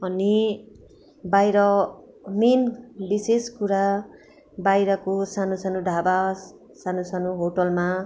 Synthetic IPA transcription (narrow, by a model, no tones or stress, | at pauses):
ʌni | bajɾʌ | menbiseskuɾa | bajɾʌkosanosanoɖʱabas | sanosanoɦoʈʌlma